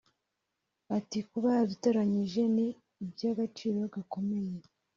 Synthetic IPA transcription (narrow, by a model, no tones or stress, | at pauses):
atikuβaaβiteɾaɲiʒe̞niː | bjaːɡat͡ʃiːɾo̞ɡako̞me̞je